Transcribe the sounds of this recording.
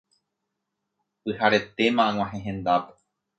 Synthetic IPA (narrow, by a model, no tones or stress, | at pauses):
ɨhaɾe̞t̪e̞mãŋʷw̃ʷãɦẽɦẽ̞nd̪ape